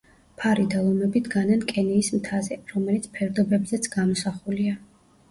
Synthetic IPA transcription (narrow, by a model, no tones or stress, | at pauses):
pʰaɾid̪alˠɔmɛbid̪ɡanankʼɛniːsmt̪ʰazɛɾɔmɛlit̪sʰpʰɛɾd̪ɔbɛbzɛt̪sʰɡamɔsaχulia